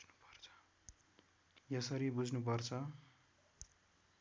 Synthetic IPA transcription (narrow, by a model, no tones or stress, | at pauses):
nupʌrt͡sʰʌ̥ | jʌsʌɾibud͡zʱnupʌrt͡sʰʌ